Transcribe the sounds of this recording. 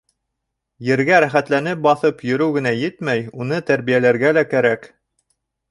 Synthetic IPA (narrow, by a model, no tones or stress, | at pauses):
jɘ̆ɾɡæɾæχæt̪lænɘp̚bɑθɤpjɵ̆ɾɘwɡɘ̆næjɘt̪mæjunɤt̪æɾβijælæɾɡælækæɾæk